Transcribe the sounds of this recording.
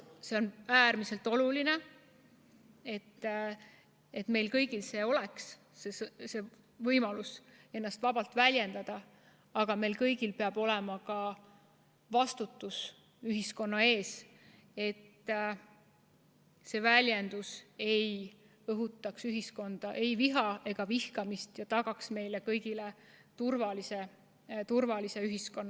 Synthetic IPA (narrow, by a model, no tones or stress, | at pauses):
se̞o̞næːrmise̞lt̪ːˑo̞luline̞ | e̞t̪ː | e̞t̪me̞jlkɤjɡilse̞ːo̞leks | esse̞ | vɤjmɑluse̞nːɑst̪vɑb̥ɑlt̪ˑvælʲje̞nd̪̥ɑd̪̥ɑ | ɑɡ̥ɑme̞jlkɤjɡ̥ilpeɑb̥o̞lɛmɑkɑ | vɑst̪ut̪ːˑus | yɦisko̞nːɑe̞ːs | e̞t̪ː | se̞vælʲje̞nd̪̥use̞j | ɤɦut̪ːˑɑksyɦisko̞nd̪̥ɑʔe̞jviɦɑe̞ɡ̥ɑvihkɑmist̪jɑt̪ɑɡ̥ɑksme̞jlekɤjɡ̥ile | t̪urvɑlise | t̪urvɑlise̞yɦisko̞nːɑ